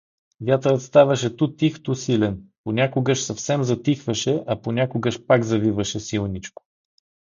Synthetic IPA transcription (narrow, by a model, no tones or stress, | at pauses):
vʲjat̪əɾət̪st̪avɐʃɛt̪ut̪ixt̪osilɛnponʲakoɡəʃsɐfsɛmzɐt̪ixvɐʃɛʔɐponʲakoɡəʃpakzɐvivɐʃɛsilˠnit͡ʃko̥